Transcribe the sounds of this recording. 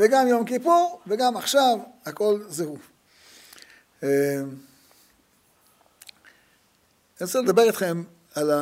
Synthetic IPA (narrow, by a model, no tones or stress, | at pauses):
veɡamjo̞mkipuʁveɡamaχʃavako̞lzehuv | e | ensiled̪abe̞ʁit̪χe̞m | ala